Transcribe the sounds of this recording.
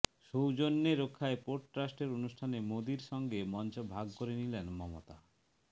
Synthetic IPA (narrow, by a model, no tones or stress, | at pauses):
ʃowd͡ʑonːeɾokʰːaepoɾɖ̚ʈɾasʈeɾonuʃʈʰanemod̪iɾʃɔŋɡemɔnt͡ɕobʱaɡkoɾenilenmɔmo̰t̪a